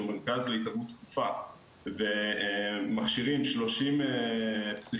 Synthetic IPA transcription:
umeʁkazleitaʁmut̪ːχufa | ve | maχʃiʁimʃlo̞ʃimepsi

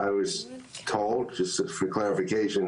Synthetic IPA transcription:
aɪwʌz̥tʰoʊlˠd̚d͡ʒʌstfə˞kʰl̥æɹɨfɨkʰeɪʃɨ̃n

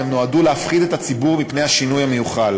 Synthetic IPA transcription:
emnoaduleafχid̪et̪at͡sibuʁmipne̞jhaʃinujhame̞juχal

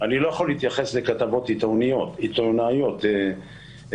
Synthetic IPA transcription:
anilo̞jaχoliit̪jaχe̞slekat̪avo̞t̪it̪onijo̞t̪it̪onajo̞t̪e

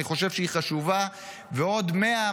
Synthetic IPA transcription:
iχo̞ʃe̞vʃeiχaʃuva | veo̞d̪me̞a

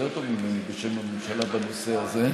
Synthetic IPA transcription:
et̪ovmimenibeʃemamemʃalabanoseaze

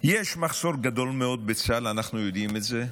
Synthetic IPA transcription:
jeʃmaχso̞ʁɡad̪o̞lmeo̞d̪̚bet͡salanaχnujo̞d̪imetze

